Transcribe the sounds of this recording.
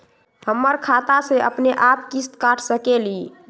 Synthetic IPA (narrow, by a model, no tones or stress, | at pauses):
həmːəɾkʰat̪aseʔə̰pneʔapkist̪kaʈʰsəkeli